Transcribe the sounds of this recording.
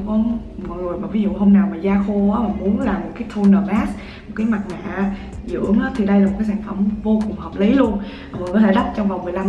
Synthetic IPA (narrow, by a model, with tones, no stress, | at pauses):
kɔ˨˦ | mɔ̰˨˩jzəjmaː˨˩vi˨˦zṵ˧˨ɦə˧wŋ͡mnaː˨˩wmaː˨˩zaː˧xo˧ʔaː˨˦maː˨˩mu˨˦ənlaː˨˩mo˨˩t̚kaː˨˦jt̪ʰu˧nəː˨˩maː˦˥s | mo˨˩t̚kaː˨˦jma˨˩t̚ma̰˧˨˦ | zɨ̰˧ə˥əŋʔəː˨˦t̪ʰi˨˩ɗə˧jlaː˨˩mo˨˩kaː˨˦jsaː˧˩nfə˧˩mvo˧kʊ˨˩ŋ͡mhɔː˨˩p̚li˨˦lu˧ən˨˩ | kɔ˨˦t̪ʰe˧˩ɗa˦˥t̚t͡ɕɔ˧wŋ͡mva˨˩wŋ͡mmɨ˨˩əjla˧m